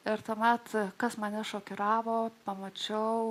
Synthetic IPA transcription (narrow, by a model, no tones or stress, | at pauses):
ɪɾt̪uːmʲɛt̪kɐsmɐnʲɛʃoːkʲɪɾɑːʋoːpɐmɐt͡ʃʲɛʊ